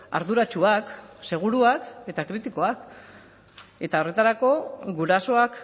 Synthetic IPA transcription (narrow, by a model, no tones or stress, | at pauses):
a̰ɾðuɾat͡ʃuakse̞ɣ̞uɾuake̞t̪akɾit̪iko̞ak | e̞t̪ao̞re̞t̪aɾako̞ɣuɾaso̞ak